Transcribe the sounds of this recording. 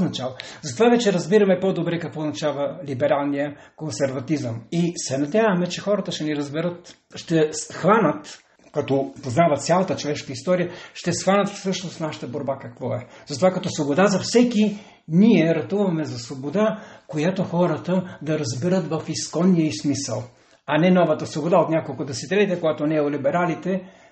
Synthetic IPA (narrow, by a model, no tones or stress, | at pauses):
nɐt͡ʃalˠozɐt̪ovavɛt͡ʃɛɾɐzbiɾɐmɛpɔd̪obɾɛkɐkvɔʊznɐt͡ʃavəlibɛɾalˠnijə | konsɛɾvɐt̪izəmisɛnɐd̪ʲjavɐmɛt͡ʃɛxɔɾət̪əʃt̪ɛniɾɐzbɛɾət̪ | ʃt̪ɛsxvanət̪ | kɐt̪ɔpoznavɐt̪sʲjalˠɐt̪ət͡ʃovɛʃkəist̪ɔɾijəʃt̪ɛsxvanət̪fsɤʃnost̪naʃɐ̥t̪əboɾbakɐkvɔɛzɐt̪ovakɐt̪ɔsvobod̪azɐfsɛki | niɛɾɐt̪uvɐmɛzɐsvobod̪akojat̪oxɔɾɐt̪əd̪ɐɾɐzbɛɾət̪vɐfiskɔnːijəismisə̰lˠ | ɐnɛnɔvɐt̪əsvobod̪aot̪nʲakolˠkʊd̪ɛsɛt̪ɛlʲit̪ɛkojɡat̪onɛːolibɛɾalit̪ɛ